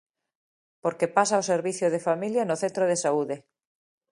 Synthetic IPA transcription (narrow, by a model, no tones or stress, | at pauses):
poɾkepasaoseɾβiθjoð̞efamiljanoθẽnt̪ɾoðesauðe